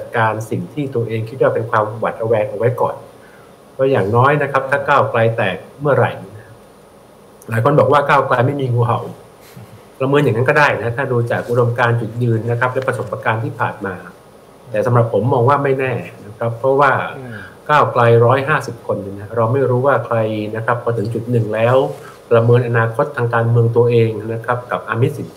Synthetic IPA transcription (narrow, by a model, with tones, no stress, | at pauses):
t͡ɕa˨˩t̪̚kaː˧nsi˨˩ŋt̪ʰiː˥˩t̪u˧ɐʔeː˧ŋkʰi˦˥t̪̚waː˥˩pe˧nkʰwaː˧mwa̰˨˩t̪̚ʔa˧wɛː˧ŋʔa˨˧wa˦˥jkɔ̰ː˨˩n | pʰɔː˦˥˩jaː˨˩ŋnɔː˦˥jna˦˥kʰa˦˥p̚t̪ʰaː˥˩kaː˥˩wkla˧jt̪ɛː˨˩k̚mɯ˥˩ɐɾa̰˨˧˩jna˦˥a˥ | laː˨˦jkʰo˧nbɔː˨˩k̚waː˥˩kaː˥˩wkla˧jma˥˩jmiː˧ŋuː˧ɦa˨˩w | pɾa˧mɯ˧njaː˨˩ŋːa˦˥nkɔː˥˩daː˥˩jna˦˥t̪ʰaː˥˩duː˧t͡ɕaː˨˩k̚ʔu˦˥do˧mkaː˧nt͡ɕu˨˩t̪̚jɯː˧nːa˦˥kʰa˦˥p̚lɛ˦˥pɾa˧sʰo˩˦mpːa˧kaː˧nt̪ʰiː˥˩pʰa̰ː˨˩nmaː˧ | t̪ɛː˨˩sa˨˦mɾa˨˩pʰːo˩˦mːɔː˧ŋwaː˥˩ma˥˩jnɛː˥˩na˦˥kʰɾa˦˥pʰːɾɔ˦˥waː˥˩kaː˥˩wkla˧jɾɔː˦˥jɦaː˥˩si˨˩p̚kʰo˧nːɯ˧ŋna˦˥ɾa˧wma˥˩jɾuː˦˥waː˥˩kʰɾa˧jna˦˥kʰɾa˦˥pʰːɔː˧˦t̪ʰɯ˩˦ŋt͡ɕu˨˩t̪̚nɯ˨˩ŋlɛː˦˥w | pɾa˧mɤː˧nʔa˧naː˧kʰo˦˥t̪ʰːaː˧ŋkaː˧nmɯ˧əŋt̪u˧ɐʔeː˧ŋna˦˥kʰɾa˦˥p̚ka˨˩p̚ʔaː˧mi˦˥t̪̚si˨˦n˧